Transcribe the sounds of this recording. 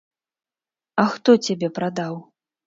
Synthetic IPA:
ɐxt̪ɔt͡sʲabʲɛpɾad̪aw

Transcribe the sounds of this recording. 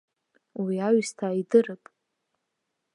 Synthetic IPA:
wiaɥstʰaidɨrɨpʼ

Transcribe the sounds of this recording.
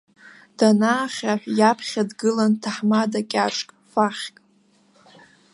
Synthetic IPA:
d̥anaːχʲaħᶣʷjapʰχʲadɡɨlantʰaħmadakʲʼaʈ͡ʂʼkʼfaχʲkʼ

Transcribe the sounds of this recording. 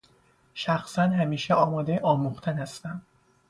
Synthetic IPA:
ʃæxsænɦæmiːʃeʔɒːmɒːd̪eʔɒːmuxt̪ʰænhæst̪æm

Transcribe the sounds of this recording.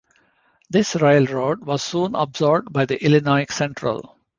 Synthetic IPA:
d̪ɪsɾaɪəlɾoːɖʋɔːz̥sũːnə̰bzɔːɾb̚ɖbaɪd̪iʔɪlɪnɔɪksɛ̃ɳʈɾə̰l

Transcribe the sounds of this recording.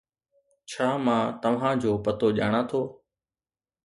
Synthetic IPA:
t͡ɕʰaːmãːt̪ɐʋ̤ãːd͡ʑoːpət̪oːʄa̰ːɽ̃ãːt̪ʰoː

